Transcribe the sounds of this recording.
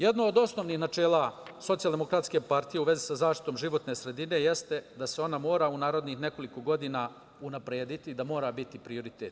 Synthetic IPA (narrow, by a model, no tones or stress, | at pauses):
jed̪noːd̪o̞sno̞ʋnixnat͡ʃe̞ːlˠaso̞t̪sijalˠd̪emo̞kɾat̪skʲe̞paɾt̪ije̞uʋe̞zisazaːʃt̪i̥t̪omʒiʋo̞t̪ne̞sɾe̞d̪ine̞je̞st̪ed̪aseo̞namo̞ːɾaunaːɾo̞d̪nixne̞ko̞liko̞ɡo̞d̪ina | unapɾeːd̪it̪id̪amo̞ːɾabit̪ipɾio̞ɾit̪et̪